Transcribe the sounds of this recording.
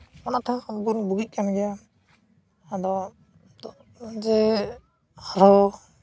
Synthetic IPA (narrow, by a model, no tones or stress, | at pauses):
ɔnat̪ʰaɡunbuɡic̚ˀkamid͡ʒa | ad̪ɔ | d̪ɔ | d͡ʒɛ | haɾɔ